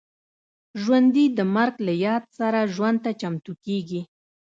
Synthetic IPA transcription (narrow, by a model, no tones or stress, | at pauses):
ʒwand̪id̪əmaɾɡlajɑd̪saɾaʒwand̪̚t̪at͡ʃamt̪ukeɡi